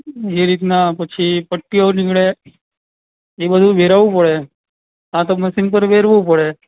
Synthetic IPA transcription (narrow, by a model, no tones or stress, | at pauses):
eɾit̪napət͡ʃʰipəʈːijonikɭe | ebəd̪ʱũʋeɾaʋũpəɭe | ãt̪oməsinpəɾʋeɾʋũpəɽe